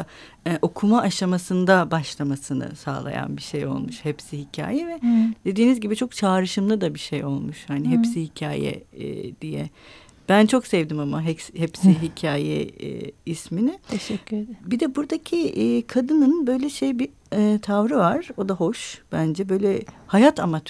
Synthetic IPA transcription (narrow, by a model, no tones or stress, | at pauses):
ɛʔo̞kʰumaʔaʃamasɯnd̪abaʃlˠamasɯnɯ̰sa̰ːlˠa̰ja̰nbiʃejo̞̰lˠmuʃhɛpsihicʰa̰ːjɛvɛd̪e̞d̪iːnizɟibit͡ʃʰo̞kt͡ʃʰaːɾɯʃɯmlˠɯd̪abiʃejo̞lˠmuʃhaniɦɛpsihicʰa̰ːjɛ̰ːd̪̥ijɛ̰ | b̥ænt͡ʃʰo̞ksɛvd̪imamaɦɛshɛpsiɦicʰaːjɛ̰isminɪʃɛbid̪ɛbuɾd̪acʰikʰad̪ɯnɯnbø̞jlʲɛʃejbi | t̪ʰavɾɯvaɾ̥o̞d̪aho̞ʃb̥ænd͡ʒɛbø̞jlʲɛhajat̪ʰamat̪ʰ